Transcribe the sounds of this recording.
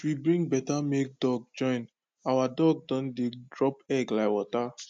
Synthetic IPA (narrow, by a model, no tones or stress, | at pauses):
wibɹĩŋɡbɛtamek̚dɔɡ̚d͡ʒɔ̃ɪ̃n | awadɔɡ̚dɔ̃ndedɹɔpɛɡlaɪwɔta